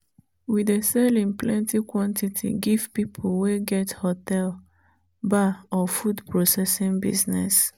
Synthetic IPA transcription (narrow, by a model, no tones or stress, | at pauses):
widesɛlĩnplɛ̃ntikwɔ̃ntitʰḭɡiv̥pipʰolweɡɛthotɛl | baɔfudpɹosɛsĩŋbḭznɛ̰s